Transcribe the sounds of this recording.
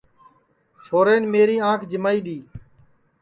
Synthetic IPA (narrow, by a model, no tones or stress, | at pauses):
t͡ʃʰoːɾeːnmeːɾiːãːkʰd͡ʒɪmaːiːɗ̪iː